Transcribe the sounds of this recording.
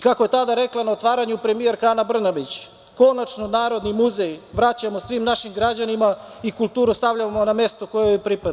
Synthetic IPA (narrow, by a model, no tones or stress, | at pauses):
ikako̞jet̪ad̪aɾe̞klˠanaot̪ʋaːɾaɲupɾe̞mije̞ɾkaːnabr̩nabit͡ɕ | ko̞nat͡ʃno̞naːɾo̞d̪nimuzejʋɾat͡ɕamosʋimnaʃimɡɾad͡ʑanimaikulˠt̪uːɾust̪aʋʎamoname̞st̪oko̞jejepɾipad̪